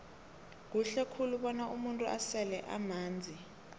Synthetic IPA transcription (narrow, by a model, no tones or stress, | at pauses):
k̬uɬɛkʰuluɓɔnaʔumuntʼuʔasɛlɛʔa̰maːnd͡zʱi